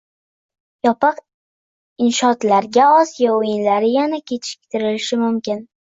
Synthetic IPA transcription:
jɒpʰɨq | ɪnʃɒt̪laɾɡʲaɒsijɒojɪnlaɾɪjanakʲʰet͡ʃ̪ʰɪ̥k̚ʲt̪ʰɪɾɪlɪʃɪmʊmkʲɪn

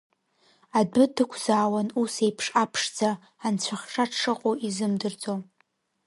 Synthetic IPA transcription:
adɨdɨkʷʰz̥aːwanusejpʰʂapʰʂd͡zaː | nt͡ɕʷʰaχʲʂaʈ͡ʂʂɨqʼoizɨmdɨrd͡zʼo

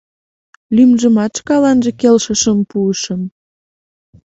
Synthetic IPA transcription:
lymʒəmɑt̪t͡ʃkɑlɑnʒə̆kelʃəʃəmpuəʃəm

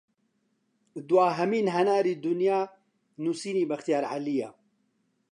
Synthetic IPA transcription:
d̪waːɦɛmiːnɦɛnaːɾiːd̪ʊnjaː | nusiːniːbɐxt̪ijaːɾʕa̰lijaː

